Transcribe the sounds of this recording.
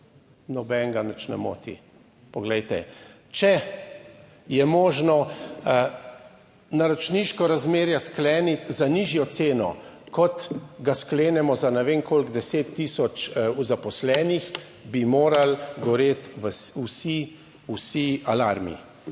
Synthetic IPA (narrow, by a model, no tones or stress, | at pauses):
nɔbɛŋɡanət͡ʃnɛ̰mo̰ːt̪ḭ | pɔɡlɛjt̪ɛ̰ | t͡ʃɛ | jɛmɔːʒnɔ | naɾɔt͡ʃniːʃkɔɾazmeːɾjasklɛːnit̪zaniʒjɔt̪seːnɔ̰ | kɔt̪ɡaskleːnɛmɔzanɛʋeːŋkoːlɡd̪ɛseːt̪ːiːsɔt͡ʃuzapɔslɛːnix | bimoːɾalɡɔɾeːt̪ʋəsusi | usialaɾmḭ